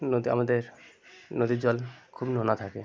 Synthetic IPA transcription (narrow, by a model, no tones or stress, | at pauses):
nod̪ia̰mad̪eɾnod̪id͡ʑɔlkʰubnonat̪ʰake